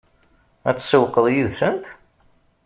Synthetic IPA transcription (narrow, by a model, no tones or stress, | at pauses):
æt͡sːsəwqːəðˤjiðsənt̪